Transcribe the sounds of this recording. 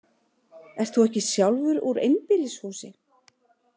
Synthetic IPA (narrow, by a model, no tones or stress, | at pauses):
ɛr̥t̪θuɛhcɪsjawlvʏɾuɾḛjnpɪlɪshuːsɪ